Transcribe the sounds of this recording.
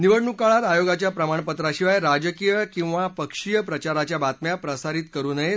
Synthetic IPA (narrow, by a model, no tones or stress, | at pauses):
niʋəɽɳukaɭat̪ajoɡat͡ɕjapɾəmaɳpət̪ɾaɕiʋajɾad͡ʑəkijəkĩw̃ʋapəkʂijəpɾət͡ɕaɾat͡ɕjabat̪mjapɾəsaɾiːt̪kəɾuːnəe